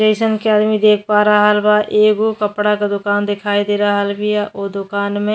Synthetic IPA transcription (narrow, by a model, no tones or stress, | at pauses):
eːʃənkeaːd̪mid̪eːk̚ʰpaːɾaɦəlbaʔeːɡokəpɽakad̪ʊkaːnd̪ɪkʰaːid̪eːɾaaɦəlbʱiɛʔoːd̪ʊkaːnmẽ